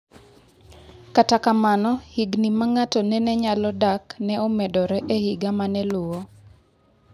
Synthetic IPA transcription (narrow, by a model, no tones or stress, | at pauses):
katakamanɔhiɡnimaŋatɔnɛnɛɲalɔdaknɛɔmɛdɔɾɛʔehiɡamanɛlʊwo